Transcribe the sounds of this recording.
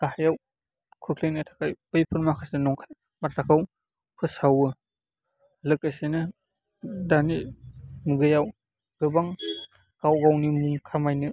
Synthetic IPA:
ɡ̥ahajaw | kʰɯkʰlejnɯtʰakʰajpɯjpʰɯɾmakʰasenɔŋkʰan | matlakʰaw | kʰɯsawɯ | lɯk̚ajsenɯ | danimuɡɯjaw | ɡɯbaŋ | ɡ̥awɡawnimuŋkʰamajnɯ

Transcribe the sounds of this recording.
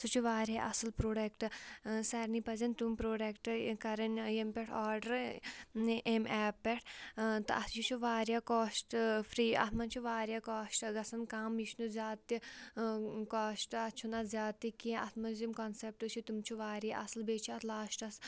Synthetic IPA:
sut͡ʃʰuʋaːɾʲjaʔɐsɨlpɾoːɖekʈɨsɐɾnipɐzɐnt̪umpɾoːɖekʈɨkɐɾɐnjempʲeʈʰaːɾɖɐɾ | ʔemɛːpːeʈʰt̪ɨɐt̪ʰjit͡ʃʰuʋaːɾjaːkoːʃʈfʰɾiːɐ̰t̪ʰmɐnt͡ʃʰuʋaːɾʲjaːkaːʃʈɨɡɐsɐnkaːmjiʃnuzjaːt̪ːi | kaːʃʈɨɐt͡ʃʰunɐzʲjaːt̪ːikĩːɐt̪ʰmɐnzimkɐnsep̚ʈɨt͡ʃʰit̪umt͡ʃʰuʋaːɾjaʔɐsɨlbeːt͡ʃʰiɐt̪ʰlaːʃʈɐs

